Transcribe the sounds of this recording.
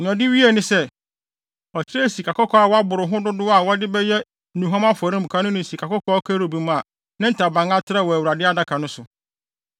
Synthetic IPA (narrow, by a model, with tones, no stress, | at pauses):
ɔ̃˨dɪ˦ɥi˦e˨nɪ̃˦sɛ˦ | ɔ˨t͡ɕʰɪ˦ɾɛ˦˨si˨kʰa˨kɔ˦kʰɔ˦a˨wɔ˦a˦bʊ˨ɾʊ˨ɦʊ̃˦dʊ˦dʊ˦a˨wɔ˦dɪ˦bɛ˦jɛ˦ | nũ˨ɦã˦ma˦fɔ˨ɾĩ˦m̩˨kʰã˦nʊ̃˦nʊ̃˨si˨kʰa˨kɔ˦kʰɔ˦ɔ˦kʰɛ˦ɾo˨bi˨m˦˨a˨ | nã˦n̩˦tʰa˨bã˨ŋa˦tʰɪ˦ɾa˦wɔ˨æ˨wu˨ɾa˨dɪ˦a˦da˦kʰa˨nʊ̃˦sʊ˨